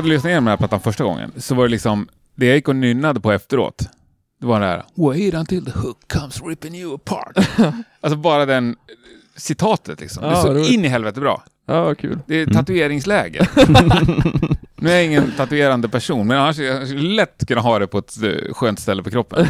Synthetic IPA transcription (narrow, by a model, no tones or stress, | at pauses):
ad̪ɵlʏsnajeːnmɛæpʰlat̪ːanfœʂʈaɡɔ̰ŋːə̰nsɔvaɾɛlɪksɔm | d̪ɛjajɪkːɔnʏnːad̪əpʰɔɛft̪əɾo̰ːt̪ | d̪̥ɛvaɖɛhæ̰ːɾa̰wɛɪɾãnt̪ʰɪld̪əhʊkʰːʌmsɹɪpɪ̃njʉəpʰɑ̰ːɾʈals̬ɔbɑːɾad̪ɛn | sɪt̪ʰɑːt̪ʰət̪lɪ̰ksɔ̰md̪ɛsɪnːɪɦɛlvɛt̪əbɾɑ̰ː | ɑkʰʉ̰ːld̪ɛːt̪ʰat̪ɵeːɾɪŋslɛːɡə̰ | nʉːæɾjaɪŋːənt̪ʰat̪ʉeːɾand̪əpʰæʂuːnmɛnanːaʂjskɵlːlɛt̪ːkʰɵnːaɦɑːd̪ɛpʰɔɛt̪ɧøːnt̪st̪ɛlːəpɔkʰɾɔpːə̰nn